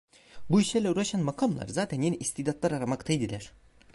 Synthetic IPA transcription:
buiʃlʲæɾlʲɛuɾaʃanmakʰamlˠa̰ɾzaːt̪ʰænjeniʔist̪id̪at̪lˠaɾaɾamakt̪ʰajd̪ilʲæɾ̥

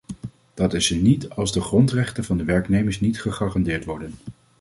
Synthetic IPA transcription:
d̥ɑtɪsənitɑlˠzdəχrɔntrɛχtənvɑndəʋɛɹknejməɹsnitχəχaːrɑndɪːɹtʋɔɹdən

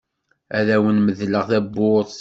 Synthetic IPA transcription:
æðæwənməðləʁθæbːʊðˤ

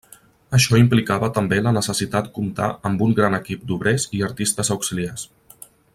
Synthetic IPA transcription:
əʃɔimplikaβət̪əmbelənəsəsit̪at̪kumt̪a̰ʔəmbuŋɡɾanəkip̚d̪uβɾeziəɾt̪ist̪əzəwksilias

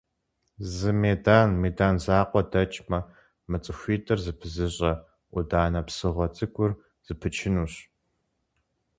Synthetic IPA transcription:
zɨmeːdaːnmeːdaːnzaːqʷɔdɐt͡ʃʼmɐ | mɨt͡sʼɨxʷiːtʼɨrzɨpʰɨzɨɕʼɐ | ʔʷʊdaːnɐpsɨʁɐt͡sʼɨɡʷʼʊr | z̥ɨpʰɨt͡ʃʰɪnuːɕ

